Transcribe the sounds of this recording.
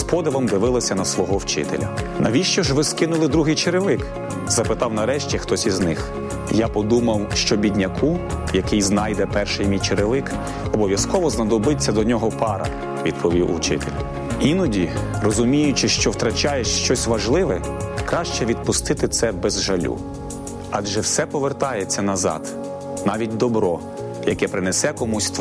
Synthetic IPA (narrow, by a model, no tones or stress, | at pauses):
spɔd̪ɪʋɐmd̪ɪʋɪlˠɔsʲɐnɐsʋɔɦɔwt͡ʃɪ̰t̪ḛlʲɐ̰ | nɐʋʲiʃt͡ʃɔʒʋɪskɪnʊlˠɪd̪ɾuɦɪjt͡ʃeɾɪʋɪk | zɐpɪt̪ɑwnɐɾɛʃt͡ʃʲixt̪ɔsʲiznɪx | japɔd̪umɐwʃt͡ʃɔbʲid̪ʲnʲɐkʰujɐkɪjznɑjd̪ɛpɛrʃɪjmʲijt͡ʃeɾɪʋɪk | ɔbɔʋʲjɐskɔʋɔznɐd̪ɔbɪt͡sʲːɐd̪ɔnʲɔɦɔpɑɾɐ̰ | ʋʲḭd̪̚pʰɔʋʲiwṵwt͡ʃɪ̰t̪elʲ | inɔdʲirɔzʊmʲijʊt͡ʃɪʃt͡ʃɔwt̪ɾɐt͡ʃɑjɛʃʃt͡ʃɔsʲʋɐʒlˠɪʋɛkɾɑʃt͡ʃɛʋʲid̪̚pʊst̪ɪt̪ɪt̪sɛbɛzʒɐlʲṵ | ɑdʒɛwsɛpɔʋert̪ɑjet͡sʲːɐnɐzɑ̰d̪̥ | nɑʋʲit̚ʲd̪ɔbɾɔ | jɐkɛpɾɪnesɛkɔmusʲt̪